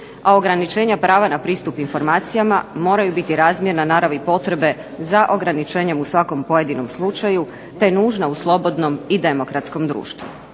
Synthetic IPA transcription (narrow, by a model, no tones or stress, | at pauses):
ao̞ɡɾanit͡ʃe̞ːɲapɾaːʋanapɾiːst̪upinfo̞ɾmaːt̪sijamamo̞ːɾajubit̪iɾaːzmjeɾnanaːɾaʋipo̞t̪ɾe̞be̞ | zaʔo̞ɡɾanit͡ʃe̞ːɲe̞musʋako̞mpo̞je̞d̪ino̞mslˠut͡ʃaju | t̪e̞nuːʒnauslˠo̞bo̞d̪no̞mid̪e̞mo̞kɾat̪sko̞md̪ɾṵːʃt̪ʋṵ